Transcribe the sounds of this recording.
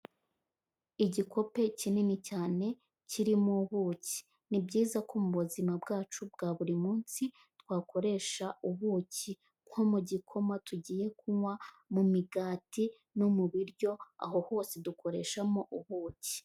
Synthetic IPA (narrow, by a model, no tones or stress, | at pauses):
iɟikʰo̞pe̞cininicaːne̞ | ciɾimuβuːci̥ | nibɟiːzakomuβuzimabɡaːt͡ʃubɡaːβuɾimuːnsi | twaːkʰo̞ɾe̞ʃauβuci | ŋ̥homuɟikʰo̞matʰuɟiːje̞kuŋwa | mumiɡaːti | nomuβiɾɟo̞a̰ɦo̞ho̞ːsedukʰo̞ɾe̞ʃamo̞ʔuβuːci̥